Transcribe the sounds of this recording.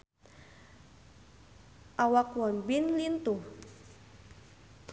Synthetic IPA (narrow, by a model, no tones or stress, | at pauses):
ʔawakwɔnbinlint̪uh